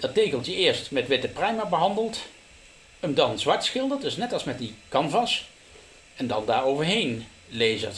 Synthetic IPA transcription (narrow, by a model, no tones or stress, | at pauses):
d̥ɑtejkəlˠtjəʔɪːɹstmɛtʋɪtəprɛjmabəɦɑndəlˠt | əmdɑnzʋɑɹtsχɪlˠdəɹdɵsnɛtɑlˠsmɛt̚dikɑnvɑs | ɛndɑ̰ndaːɹowvəɹɦejn | lejzə̰ɹt